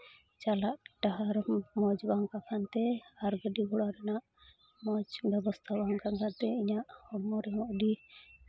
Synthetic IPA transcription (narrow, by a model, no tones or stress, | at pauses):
t͡ʃalaʔʈaɦaɾmɔd͡ʒbaŋkakʰant̪ɛaɾɡəɖiɡɔɽaɾɛnaʔ | mɔd͡ʒbɛbɔst̪ʰabaŋkankant̪ɛiɲaʔhɔɾmɔɾɛɦɔʔɖi